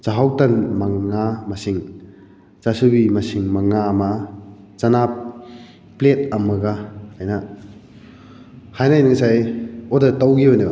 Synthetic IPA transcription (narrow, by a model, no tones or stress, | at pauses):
t͡ʃaɦawtanmaŋːamasiŋ | t͡ʃasubimasiŋmaŋama | t͡ʃanap | plet̚amɐɡaajna | hajnajnɯŋsajodatawɡiojnɯb